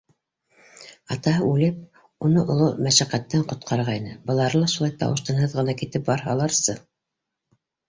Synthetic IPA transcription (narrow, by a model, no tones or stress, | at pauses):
ɑt̪ɑɦɤʉlɘp̚ | unɤʔŏlˠomæʃæqæt̪ːæɴqŏt̪̚qʰɑɾʁɑinɘbɤ̆lˠɑɾɤlˠɑʃulˠɑjt̪ɑ̰wɤ̆ʃt̪ɑ̆nɦɤðʁɤ̆nɑkit̪ɘp̚bɑɾɦɑ̰lˠɑɾsɤ